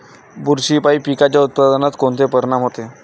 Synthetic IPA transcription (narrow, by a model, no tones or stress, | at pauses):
buɾɕiːpaipikat͡ɕjaut̪̚pad̪ənat̪kont̪ʰepəɾɳamɦot̪e